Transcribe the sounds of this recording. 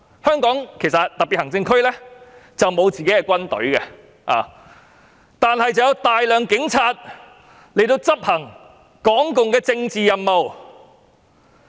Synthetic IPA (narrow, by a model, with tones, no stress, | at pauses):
hœː˥ŋkɔː˨˥ŋkʰe˨˩jsɐ˨t̚t̪ɐ˨k̚piː˨hɐ˨˩ŋt͡sɪ˧ŋkʰɵ˥ɥlɛː˥t͡sɐ˨wmo˨˧wt͡siː˨ke˨˥jkɛ˧kʷwɐ˥nt̪ɵ̰˨˥ɥkɛ˧ | ʔa̰ː˨ | t̪aː˨nhɐ˨jt͡sɐ˨wjɐ˧wt̪aː˨jlœː˨ŋkɪ˨˥ŋt͡sʰaː˧t̚ | le˨˩jt̪o˧wt͡sɐ˥p̚hɐ˨˩ŋ | kɔː˨˥ŋkʊ˨ŋkɛː˧t͡sɪ˧ŋt͡siː˨jɐ˨nmo˨w